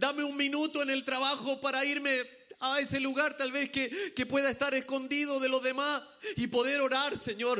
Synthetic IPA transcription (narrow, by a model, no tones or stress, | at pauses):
d̪ame̞uŋminut̪o̞ene̞lt̪ɾaβaxo̞paɾaiɾme | ae̞se̞luɣaɾt̪alβe̞skeke̞pwe̞ðaest̪aɾesko̞nd̪iðo̞ðe̞lo̞ðe̞masipo̞ðe̞ɾo̞ɾaɾse̞ɲo̞ɾ